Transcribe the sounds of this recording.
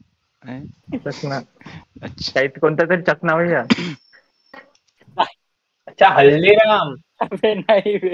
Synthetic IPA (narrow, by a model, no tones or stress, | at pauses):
səkna | kaiːt̪kont̪at̪əɾit͡ɕəknaʋəjja | ətːɕʰaɦəlliɾaŋam | ʋenaiʋe